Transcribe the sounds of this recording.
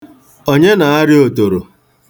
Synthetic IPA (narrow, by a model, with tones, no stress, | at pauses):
o˦ɲe˦na˨a˦ɾɪ˦o˨to˨ɾo˨